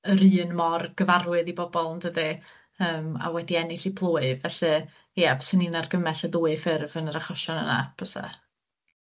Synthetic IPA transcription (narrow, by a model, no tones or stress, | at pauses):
əɾɨːnmɔrɡ̥əvarwɨðibɔbɔlˠndəði | əːma̰wɛdiɛnɪɬibʰlˠoːɨvɛɬɛ | jɛvsəninarɡəmɛɬəðuːɨfɪrvənəɾaχɔʃɔnə̰na̰pʰɔsɛ̰